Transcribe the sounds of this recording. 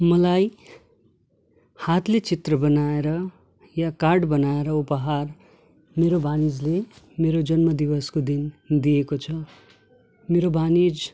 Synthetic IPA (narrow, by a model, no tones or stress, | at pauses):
mʌlaj | hat̪let͡sit̪rʌbʌnaeɾʌ | jakarɖbʌnaeɾʌupʌɦar | meɾobanid͡zle | meɾod͡zʌnmʌd̪ibʌskod̪ind̪ijekot͡sʰʌ | meɾobʱanid͡z